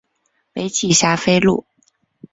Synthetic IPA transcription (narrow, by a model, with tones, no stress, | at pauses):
pe˧˥ɪt͡ɕʰi˨˩ɕja˥fe˥ɪlṵ˥˩